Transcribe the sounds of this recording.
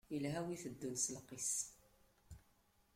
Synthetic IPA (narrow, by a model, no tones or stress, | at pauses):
ilɦæwiθəd̪ːunslqːis